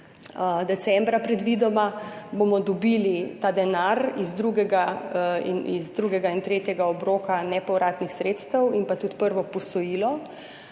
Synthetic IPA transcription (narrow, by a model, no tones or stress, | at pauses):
d̪ɛt̪sɛmbɾapɾɛd̪ʋid̪ɔma | bomɔd̪ɔbiːlit̪aːd̪ɛnaɾizd̪ɾuːɡɛɡaḭnḭzd̪ɾuːɡɛɡaint̪ɾeːt̪jɛɡaɔbɾoːkanɛpɔwɾʔaːt̪nixsɾeːt̪st̪əwinpat̪uːt̪pəɾʋɔpɔsɔjiːlɔ